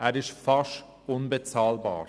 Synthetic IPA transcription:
ɛːɾɪʃtfaʃ | ʊnbət͡saːlba̰ːɾ

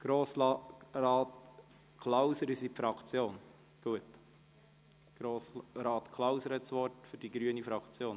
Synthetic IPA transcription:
ɡ̥ɾoːsɾɑːt | kʰlawsəɾɪsipfɾɑkʰt͡sjoːn | ɡ̥uət | ɡ̥ɾoːsɾɑːt̪kʰlawsəɾhɛt̪sʋɔɾtfʏɾd̥iɡɾyənifɾɑkt͡sjoːn

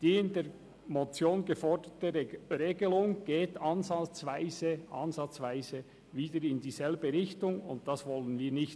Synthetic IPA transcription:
d̥iːɪndeː | mɔt͡sjoːnɡəfɔɹdətəɾeːɡəlʊŋɡ̥eːtɑnzɑt͡svaɪzəʔɑnzɑt͡svaɪzə | viːdəɾɪndiːzɛlbəɾɪçtʊŋʊ̰nt̚d̥ɑsvɔlənviːnɪçt

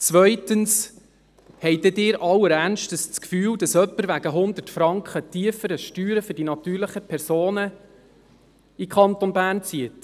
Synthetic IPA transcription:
t͡svœʏtəns | hɛɪdɛdɪːɾʔɑwəɾænʃtəst͡skfyːwd̥ɑsœpːəɾʋæɡəɦʊnd̪ətfɾɑŋkχətiəfəɾəʃtyːɾəfɵɾdinɑt̪yːɾləχəpʰɛɾsoːnə | ikʰɑnt̪ɔnbæːnt͡siət

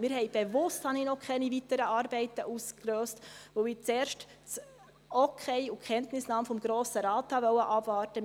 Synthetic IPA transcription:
mɪːɾɦɛɪb̥evʊsthɑnɪnɔkʰχɛnivitəɾəʔɑːɾbɛɪtəʔuskløːstʋoɪt͡seːɾʃt | t͡s | ɔkʰɛɪukʰχɛntnɪsnɑːmfɔmɡ̥ɾoːsəɾɑːthɑʋœwəʔɑb̥vɑːɾtə

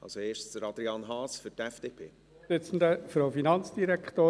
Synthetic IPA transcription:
ɑ̰lsoeːʃtd̥əɾɑd̪ɾiɑːnɦɑːsfytɛfd̥eːpʰeː | ɪt͡sn̩dəfɾɔwfinɑnt͡sd̥iɾɛkχt̪oː

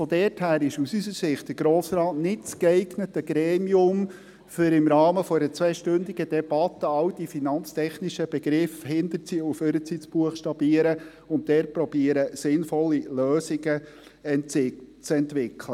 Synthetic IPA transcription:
fɔdɛːrthæːɾɪʃusysəɾsɪχt̚d̥əɾɡ̥ɾoːsɾɑːtnɪtt͡skɛɪɡnətəɡɾɛːmiʊm | fʏɾɪmɾɑːməfɔɛɾət͡sʋɛːʃtɵndiɡədɛb̥ɑt̪əɑwd̥ifinɑnt͡stʰɛχnɪʃəb̥ɛɡɾɪfhɪnd̪əɾt͡siuføɾət͡sit͡sb̥uəχʃtɑbiəɾə | ʊntdɛːɾpɾɔbiəɾəsɪnfɔlːiløːsɪɡə | ɛntɪt͡sɛntʋɪkʰlə

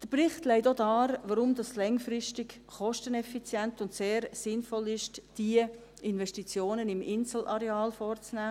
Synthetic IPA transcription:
d̥əɾprɪχtlɛɪtodɑːɾʋəɾʊmdɑslɛŋfɾɪʃtɪk | χɔʃtənɛfit͡sjɛntʊntseːɾsɪnfɔlɪʃtd̥iə | ɪnvɛʃtit͡sjoːnənɪmɪnsl̩ɑɾeɑːlfɔɾt͡snæː

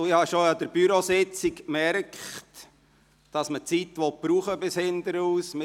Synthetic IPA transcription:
ɪhɑʃoɑd̪əɾb̥yɾosɪt͡sikmɛɾkχt | d̥ɑsmət͡sit̪ʋɔt̚b̥ɾuːχəbɪshɪnd̪əɾuːsmɪ

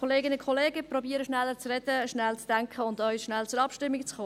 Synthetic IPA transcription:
ɔleːɡɪnəkʰɔleːɡəprɔbiːəɾəʃnɛlːət͡srɛd̥əʃnɛlt͡sd̥ɛŋkʰəʊndœʏʃnælt͡sʊɾɑpʃtɪmːikt͡sχoː

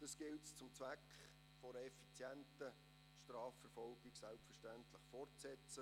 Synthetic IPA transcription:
d̥ɑsɡ̥ɪltst͡sʊmt͡sʋækχ | fɔɾəɛfit͡sjɛntə | ʃtɾaːfɛɾfɔlɡɪɡsælpfəʃtæntləχfɔrtsɛt͡sə

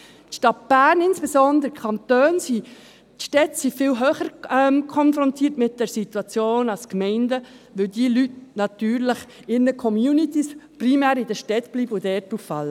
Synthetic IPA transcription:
tʃtɑt̚b̥æːnɪnsb̥ɛsɔnd̪əɾəkʰɑnt̪øːnsi | tʃtɛtsifɪlɦøːχəɾɛmkʰɔnfɾɔntʰiːtmɪt̚d̥ɛɾsit̪uɑt͡sjoːnɑlskmɛɪndə | ʋɪldiəlytnɑt̪yːɾləχɪɾnəkʰɔmjuːnit̪isprimæːɾɪd̥əʃtɛt̪b̥liːbəodɛːtuffɑ̰lːə

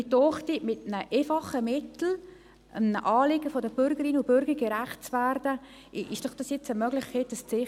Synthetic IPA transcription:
ɪtɔχtimɪtnəʔeːfɑχəmɪtl̩ | ənəʔɑːlɪɡəfɔdəbʏɾɡəɾinʊbʏɾɡəɾɡ̥ɛɾæχt̚t͡sværdə | ɪʃd̥ɔχd̥ɑsjɛt͡səmœɡlɪχkʰeːtəst͡sɪ

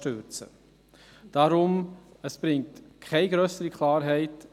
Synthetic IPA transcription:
tøɾt͡sə̰ | d̥aɾʊməsb̥ɾɪŋ̚tkʰɛɪɡɾœsəɾikʰlɑːɾɦɛɪt

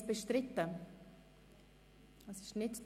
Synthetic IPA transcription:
b̥əʃtɾɪtə | ɑsɪʃnɪtd

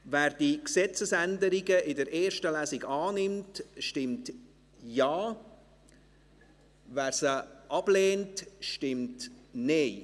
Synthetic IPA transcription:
vɛːɾd̥iksɛt͡səsændəɾiɡəʔɪdəɾeːɾʃtəlæːsɪɡaːnɪmtʃtɪmt | jaː | vɛːɾsəʔɑb̥leːntʃtɪmtne

